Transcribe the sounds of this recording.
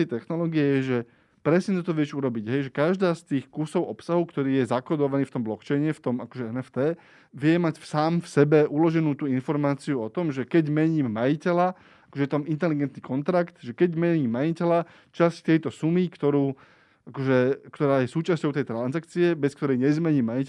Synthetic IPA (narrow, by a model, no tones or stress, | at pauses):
t̪ɛjt̪ɛxnɔlɔːɡiɛjɛʒɛ | pɾɛsɲɛt̪ɔt̪ɔʋɪɛʃuɾɔbiɟɦɛjʒɛkaʒd̪aːst̪iːxkusɔʊʔɔpsaɦukt̪ɔɾiːjɛzakɔd̪ɔʋaniːft̪ɔmblɔkt͡ʃɛjɲɛft̪ɔmakɔʒɛɛnɛft̪ɛː | ʋɪɛmacfsaːmfsɛbɛʔulɔʒɛnuːt̪uːinfɔɾmaːt͡siuɔt̪ɔmʒɛkɛɟmɛɲiːmːajicɛla | akɔʒɛt̪amint̪ɛliɡɛnt̪nikɔnt̪ɾakt̪ʒɛkɛɟmɛɲiːmːajicɛla | t͡ʃasct̪ɛjt̪ɔsumikt̪ɔɾuː | ʔakɔʒɛkt̪ɔɾaːjɛsuːt͡ʃascɔʊt̪ɛjt̪ɾanzakt͡siɛbɛskt̪ɔɾɛjɲɛzmɛɲiːmːajic